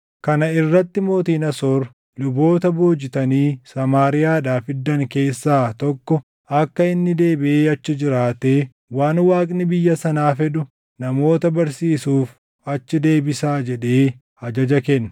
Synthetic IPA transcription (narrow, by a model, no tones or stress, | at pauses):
kɐnɐɪrːɐt̪ːɪmo̞ːt̪iːnɐsoːɾ | lʊbo̞ːt̪ɐboːd͡ʒɪt̪ɐniːsɐmaːɾɪjaːᶑaːfɪd̪ːɐŋke̞ːsːaːt̪ɔkːɔ | ɐkːɐɪnːɪd̪e̞ːbɪʔeːɐt͡ʃːɪd͡ʒɪɾaːt̪eː | waːnwaːkʼnɪbɪjːɐsɐnaːfɛᶑʊ | nɐmo̞ːt̪ɐbɐɾsiːsuːf | ɐt͡ʃːɪd̪e̞ːbɪsaːd͡ʒɛᶑe̞ː | hɐd͡ʒɐd͡ʒɐkɛnːɐ